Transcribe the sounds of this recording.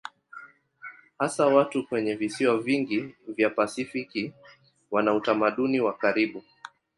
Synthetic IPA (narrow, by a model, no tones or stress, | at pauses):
hasawatukwɛɲɛvisiwaviŋɡivjapasifiki | wanautamaɗuniwakaɾiɓu